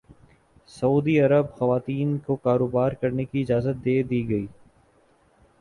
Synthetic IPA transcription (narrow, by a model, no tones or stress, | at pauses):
sɐuːd̪iɐɾəbxɐʋaːt̪iːnkokaːɾoːbaːɾkɐɾnekiɪd͡ʒaːzət̪̚d̪eːd̪iːɡɐiː